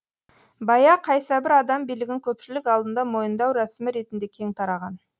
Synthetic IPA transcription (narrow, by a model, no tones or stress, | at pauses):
bɑjɑqʰːɑjsɑbɪɾɑd̪ɑmbijlɪɡʲɪŋkʲʰɵpʃɪlɪkɑlˠd̪ənd̪ɑmo̞jənd̪ɑwɾæsɪmɪɾe̞t̪ɪnd̪e̞kʲʰe̞ŋt̪ʰɑɾɑʁɑn